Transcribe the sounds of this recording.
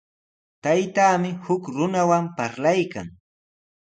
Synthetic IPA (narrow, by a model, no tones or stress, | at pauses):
t̪ajt̪aːmɪhʊkɾʊnawampaɾlajka̰ŋ